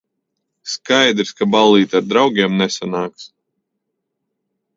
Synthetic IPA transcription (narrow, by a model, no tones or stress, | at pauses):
skajd̪ɾskabalˠːiːt̪aɾd̪ɾawɡʲiɛmnɛsanaːks